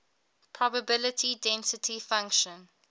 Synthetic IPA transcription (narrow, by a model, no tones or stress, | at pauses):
pʰɹɔbəbɪlətʰidɛ̃nsɪtʰifãŋkʃə̃n